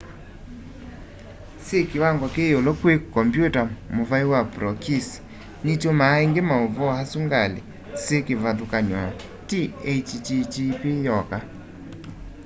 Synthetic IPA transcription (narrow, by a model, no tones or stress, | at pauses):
sekewaŋɡɔkeolɔkwekɔmbjutamovaiwapɾɔkis | nit͡ʃomaeŋɡemaovɔasuŋɡalḛ | sekevaðokaɲwa | tiet͡ʃt͡ʃit͡ʃipijɔka